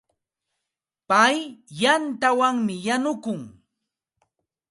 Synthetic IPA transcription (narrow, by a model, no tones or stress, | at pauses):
pajjant̪awaŋmɪjanʊkʊŋ